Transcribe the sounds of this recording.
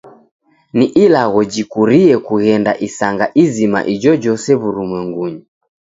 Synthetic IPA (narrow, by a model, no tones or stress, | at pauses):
niʔilaɣɔd͡ʒikuɾiɛkuɣɛnda̰ʔisaŋɡaʔizima̰ʔid͡ʒɔd͡ʒɔsɛβuɾumwɛŋɡuɲi